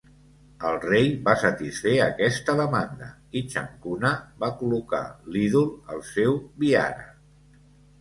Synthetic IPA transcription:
əlˠrejβasət̪isfeəkɛst̪əðəmand̪ə̰ | it͡ʃə̰ŋkunəβakuluka̰liðulˠə̰lˠsɛwβia̰ɾə̰

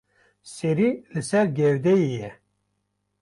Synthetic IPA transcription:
seɾilɨsɛɾɡɛwd̪ɛjijɛ

